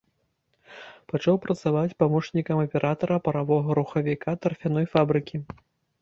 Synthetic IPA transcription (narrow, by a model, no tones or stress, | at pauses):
pɐt͡ʂawpɾɐt̪savat͡sʲpamɔʂnʲikɐmɐpʲɛɾʔat̪ɐɾɐpɐɾavɔɣɐɾuxɐvʲikat̪ɐrfʲan̪ɔjfabɾɨkʲi